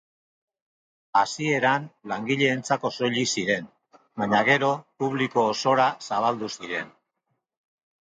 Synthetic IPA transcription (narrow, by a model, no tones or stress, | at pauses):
asie̞ɾanlaŋɡiʎe̞ːnt͡sako̞so̞ʎisiɾe̞n | baɲaɣe̞ɾo̞puβ̞liko̞ːso̞ɾasaβ̞ald̪usiɾe̞n